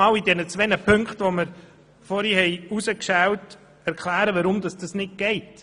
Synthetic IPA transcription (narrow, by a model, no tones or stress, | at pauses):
ɑːlidɛnət͡sʋɛnəpʰɵŋkχtʋoməɾ | fɔɾhihɛɪusəkʃɛwt | ɛɾkχlæːɾəʋɑɾʊmd̥̪ɑsd̥ɑsnɪt̚ɡ̥ɛɪt